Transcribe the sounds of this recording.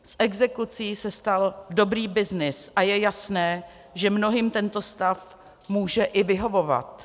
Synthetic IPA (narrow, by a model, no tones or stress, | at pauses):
sʔɛɡzɛkut͡siːsɛst̪aldo̞bɾiːbɪznɪsʔajɛjasnɛː | ʒɛmno̞ɦimt̪ɛnt̪o̞st̪af | muːʒɛʔɪvɪɦo̞vo̞va̰t̪